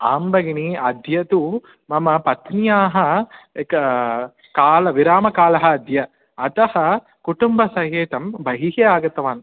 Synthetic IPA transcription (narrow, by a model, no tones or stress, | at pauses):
aːmbɐɡɳiɐd̪jɐt̪u | mɐmɐpɐt̪njaːɦɐk | kaːlɐʋiɾaːmɐkaːlɐɦɐːd̪jɐ | ɐt̪ɐhɐ | kuʈumbɐsɐɦeːt̪ɐmbɐɦiɦeaːɡɐt̪ɐʋaːn